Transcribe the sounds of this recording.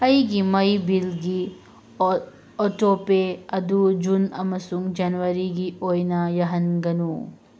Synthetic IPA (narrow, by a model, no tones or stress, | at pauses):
ɐjɡimɐjbilɡi | ɔʈoːpeɐd̪ud͡ʒunɐ̰mːɐsuŋd͡ʒɐnʋɐɾiɡiʔojnɐjɐɦɐnɡɐnu